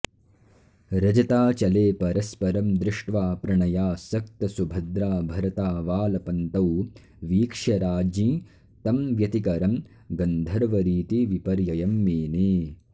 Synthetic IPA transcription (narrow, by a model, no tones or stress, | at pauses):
ɾɐd͡ʒɐt̪aːt͡ʃɐleːpɐɾɐspɐɾɐmd̪ɾɪʂʈʋaːpɾɐɳɐjaːsɐk̚t̪ɐsubʱɐd̪ɾaːbʱɐɾɐt̪aːʋaːlɐpɐnt̪ɐw | ʋiːkʂjɐɾaːd͡ʒĩː | t̪ɐmʋjɐt̪ikɐɾɐm | ɡɐnd̪ʱɐɾʋɐɾiːt̪iʋipɐɾjɐjɐmːeːneː